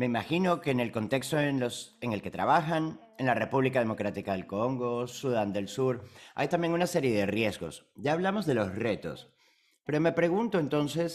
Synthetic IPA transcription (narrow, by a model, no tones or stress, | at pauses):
me̞imaxino̞keːne̞lko̞nt̪e̞kst̪oenloseŋe̞lke̞t̪ɾa̰β̞axan | enlare̞puβlikaðe̞mo̞kɾat̪ikaðe̞lkoŋɡo̞suðand̪e̞lsuɾa̰jt̪ambje̞ŋunase̞ɾje̞ðerje̞zɣo̞̰sɟ͡ʝaːβ̞lamo̞zðe̞lo̞sre̞t̪o̞̰s | pe̞ɾo̞me̞pɾe̞ɣunt̪oent̪o̞nse̞s